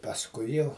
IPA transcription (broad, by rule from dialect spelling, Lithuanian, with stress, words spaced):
pɐsˈkʊɪ jɛʊ